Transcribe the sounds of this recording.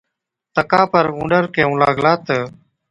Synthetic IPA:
t̪əkaːpəɾũːɳɖəɾkẽːũːlaːɡlaːt̪ə

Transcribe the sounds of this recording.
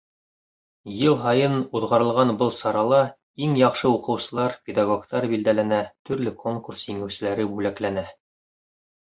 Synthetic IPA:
jɤlˠɦɑjɤnuðʁɑɾɤ̆lˠʁɑnbɤlˠsɑɾɑlˠɑ | iŋjɑqʃɤuqɤ̆wsɤ̆lˠɑɾpʲed̪ɑɡo̞kt̪ɑɾbild̪ælænæt̪ɵ̆ɾlɘkʰoŋkursjiŋæwsɘ̆læɾɘbʉlæklænæ

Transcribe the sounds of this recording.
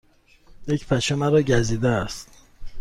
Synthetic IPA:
jecpʰæʃemæɾɒːɟæziːd̪ææst̪

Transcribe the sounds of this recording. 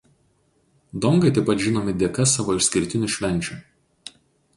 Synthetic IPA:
d̪ɔŋɡɐɪt̪ɐɪpɐt̪ʒʲɪnoːmʲɪd̪ʲeɛkɐsɑːʋoːɪʃʲsʲkʲɪɾʲt̪ʲɪnʲʊʃʲʋʲɛnʲˑt͡ʃʲuˑ

